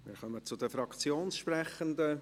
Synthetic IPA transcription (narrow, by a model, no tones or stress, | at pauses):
mɪ̰ːɾχœmət͡sʊdəfɾɑkt͡sjoːnsʃprɛχənd̪ə